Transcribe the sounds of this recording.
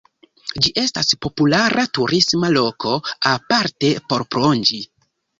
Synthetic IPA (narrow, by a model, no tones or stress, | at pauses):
d͡ʒiʔe̞staspo̞pulaɾʔatuɾʔismalo̞ko̞apaɾte̞po̞ɾpɾond͡ʒi